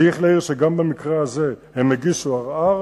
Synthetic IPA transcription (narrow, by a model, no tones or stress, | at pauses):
iχleiʁʃeɡambamikʁehaze̞hemheɡiʃuaʁaʁ